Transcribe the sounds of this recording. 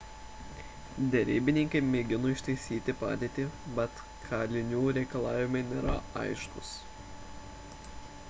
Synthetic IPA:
d̪ʲɛɾʲiːbʲɪnʲɪŋʲkʲɐɪmʲeːɡʲɪnoɪʃt̪ɐɪsʲiːt̪ʲɪpɑ̰ːd̪ʲeːt̪ʲiːbʲɛt̪ | kʰɑːlʲɪnʲuːɾʲɛɪkɐlˠɑːʋʲɪmɐɪnʲeːɾɐɐ̰ɪʃkʊs

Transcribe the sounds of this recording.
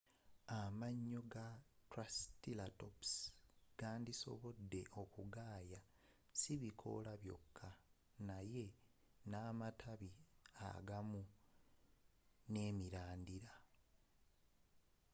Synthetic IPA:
amaɲːo̞ɡatɾastilatopsɡ̥aːndiso̞̰βo̞dːe̞ʔo̞kuɡaːja | siβikʰo̞̰laβjo̞̰kʰːa | naje̞ | naːmatʰaβia̰ɡamu | ne̞ːmiɾaːndiɾa

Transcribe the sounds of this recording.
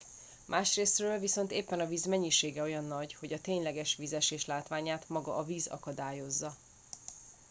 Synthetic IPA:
mʔaːʃreːsrøːlviso̞nt̪eːpːɛnɒviːzmɛɲːiʃeːɡɛo̞jɒnːɒɟho̞ɟɒt̪eːɲlɛɡɛʃʋiːzɛʃeːʃlaːt̪ʋaːɲaːt̪mɒɡɒ̰ʔɒviːzɒ̰kɒd̪aːjo̞zːɒ

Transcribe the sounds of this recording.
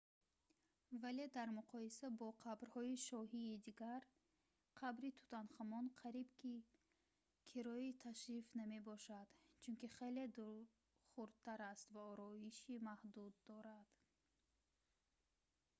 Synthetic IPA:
vale̞d̪aɾmuqʰɔisabɔqʰabɾhɔiʃɔɦiːd̪iɡaɾ | qʰabɾit̪ʰu̥t̪ʰanχamɔnqʰaɾibkʰi | kʰiɾɔit̪ʰaʃɾifname̞bɔʃad̪̥t͡ʃʰunkiχele̞d̪u | χuɾd̪̚t̪ʰːaɾast̪vaɔɾɔiʃimahd̪ud̪ːɔɾad̪̥

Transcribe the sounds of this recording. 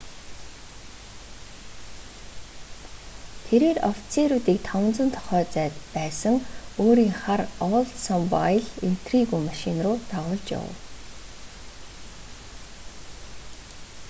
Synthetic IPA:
t̪ʰeɾeːrɔft͡sʰeɾuːt̪iːk̚t̪ʰɔwə̆nt͡sə̆nt̪ʰɔ̥χœːt͡sæːt̪pæːsə̆ŋoːɾiːŋχarɔɮsɔmpa̰jɮin̥t̪riɣuːmaʃinrʊːt̪aʁʊːɮt͡ɕja̰w̰w

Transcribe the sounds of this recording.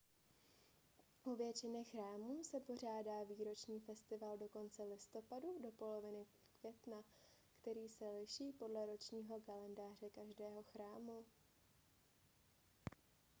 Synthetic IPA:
ʔovjɛt͡ʃɪnɛxɾaːmuːsɛpo̞r̝aːdaːviːɾo̞t͡ʃɲiːfɛst̪ɪvaldo̞ko̞nt͡sɛlɪst̪o̞padudo̞po̞lo̞vɪnɪ | kvjɛt̪nakt̪ɛɾiːsɛlɪʃiːpo̞dlɛɾo̞t͡ʃɲiːɦo̞kalɛndaːr̝ɛkaʒdɛːɦo̞xɾaːmu

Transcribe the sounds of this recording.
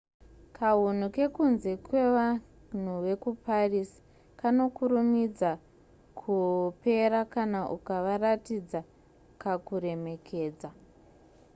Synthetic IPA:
kʰaɦun̤uke̞kunze̞kwe̞ʋa | n̤uʋe̞kupʰarisi̥ | kano̞kuɾumid͡za | kʰupe̞ɾakanaʔukaʋaratid͡za | kakuɾe̞me̞kʰe̞ːd͡za

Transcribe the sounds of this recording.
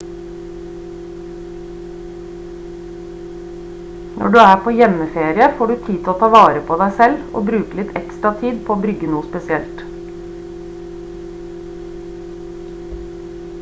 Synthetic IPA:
nʔɔ̰ɖʉːæːpʰoːjɛməfeːɾɪəfoːɖʉːt̪ʰiːt̪ʰoːt̪ʰɑːʋɑːɾəpʰoːd̪æɪsɛlo̰ːbɾʉːkəlɪt̪ʰɛ̰kst̪ɾɑt̪ʰiːd̪pʰoːoːbɾʏɡənuːspɛsɪɛlt̪

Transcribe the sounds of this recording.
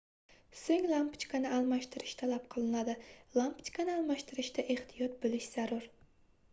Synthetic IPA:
seŋʲlˠampɪ̥t͡ʃkʰanɪalˠmaʃt̪ʰɪɾɪʃt̪ʰalap̚qʰɨlˠɪnad̪ɪlampʰɪt͡ʃkʰanɪalˠmaʃt̪ʰɪɾɪʃt̪ʰaʔe̞ht̪ʰijɒt̪̚bɪlɪʃz̥aɾʊɾ

